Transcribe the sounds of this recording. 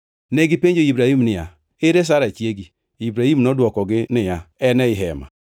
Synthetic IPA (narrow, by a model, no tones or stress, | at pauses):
neɡipeɲd͡ʒoibɾahimnɪja̰ | eɾes̬aɾat͡ʃieɡi | ibɾahimnɔdwɔkɔɡɪnɪjaɛnɛiɦɛma̰